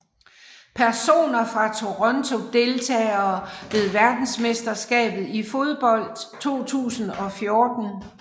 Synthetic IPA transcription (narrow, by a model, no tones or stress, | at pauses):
pʰæɐso̝̰ːnɐfʁɑ̈t͡sʰo̝ʁɒ̽nt͡sʰo̝d̥e̝lt͡sʰɛ̰ːɐːʋe̝ð̞̩ˠʋæɐd̥n̩sme̝sd̥ɐsɡ̥ɛ̰ːb̥ð̞̩ˠifo̝ð̞ˠb̥ɒ̽l̰d̥t͡sʰo̝̰ːt͡sʰṵːsn̩ɒ̽fjo̝ːd̥n̩